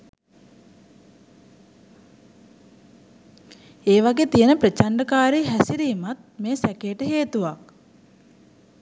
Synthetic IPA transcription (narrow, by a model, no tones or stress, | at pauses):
eːʋaɡeːt̪ijənəpɾət͡ʃaɳɖəkaːɾiɦæsiɾiːmat̪̚meːsækeːʈəɦeːt̪uʋak̚